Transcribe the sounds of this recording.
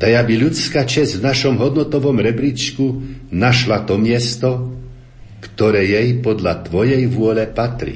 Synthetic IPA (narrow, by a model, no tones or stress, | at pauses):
t̪aɡabiʎut͡skat͡ʃɛzʲvnaʃɔmɦɔd̪nɔt̪ɔʋɔmɾɛbɾit͡ʃkunaʃlat̪ɔmɪɛst̪ɔ | kt̪ɔɾɛːjɛjpɔd̪ʎat̪ʋɔjɛjʋʊɔlɛpat̪ɾḭ